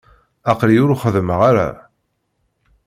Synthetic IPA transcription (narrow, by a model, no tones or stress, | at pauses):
ɑqɾiʊɾuχəðməʁaɾa̰